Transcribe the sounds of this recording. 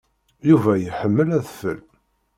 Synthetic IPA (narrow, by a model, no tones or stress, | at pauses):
juvæjəħəmːəlæðfə̰l